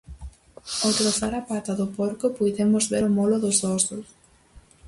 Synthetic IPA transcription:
owt̪ɾofaɾapat̪aðʊpoɾkʊpujðemʊzβeɾʊmoloðʊzðɔsʊs

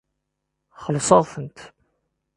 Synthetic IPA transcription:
χəlsˤɑðˤθənt̪

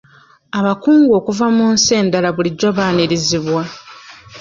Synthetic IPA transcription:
aβakuːŋɡo̞ːkuvamunseːndalaβuliɟo̞βaːniɾiziβwa

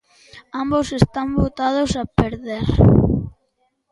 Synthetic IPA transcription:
ambosest̪ambot̪að̞osapeɾðeɾ

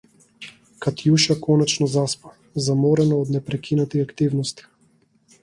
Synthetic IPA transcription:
kat̪juʃakɔnɛt͡ʃnɔzaspḁ | zamɔɾɛnɔɔd̪nɛpɾɛkʰinat̪iakt̪ivnɔst̪i̥

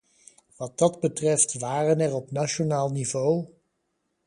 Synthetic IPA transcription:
ʋɑd̚dɑdbətrɛftʋaːrənɛrɔpnaʃonaːlˠnivow

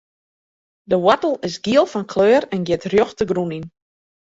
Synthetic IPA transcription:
dəwɔtəl̩ˠɪsɡiəlˠfɔnkʰløːɾɛnɡjɪtrjoxtəɡrunin

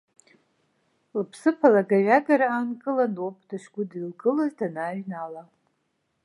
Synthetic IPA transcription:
lpʰsɨpʰalaɡaɥaɡaɾaːnkʼɨlanopʰʼdaʃɡʷʊdilɡɨlazdanaːɥnala

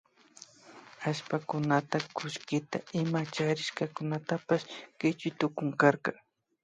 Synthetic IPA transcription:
aʃpakʊnat̪akʊʃkɪt̪a̰ɪmat͡ʃaɾɪʃkakʊnat̪apaʃkɪt͡ʃʊt̪ʊkʊŋkaɾka

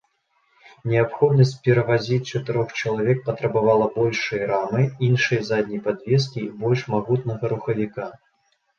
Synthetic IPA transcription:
nʲɛapxɔd̪nɐsʲt͡sʲpʲɛɾɐvazʲit͡sʲt͡ʂɐt̪ɨɾɔxt͡ʃɐlˠavʲɛk̚pɐt̪ɾɐbavalˠɐbɔlʲʂɨjɐɾamɨinʂɐjɐzad̪ʲnʲɐjpad̪vʲɛs̬kʲibɔlʲʂmaɣut̪nɐɣɐɾuxɐvʲika

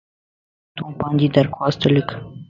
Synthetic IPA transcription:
t̪opɑnd̪id̪aɾkwɑst̪ələk

